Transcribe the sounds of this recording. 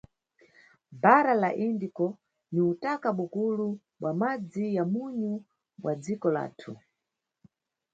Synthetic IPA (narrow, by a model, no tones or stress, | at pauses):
baɾalaʔindikɔ | niutakaɓukulu | ɓwamad͡zijamuɲu | ɓwad͡zikɔla̰ːtʰu